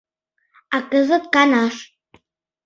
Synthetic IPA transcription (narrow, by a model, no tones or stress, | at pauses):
akəzɨt̪̚kanaʂ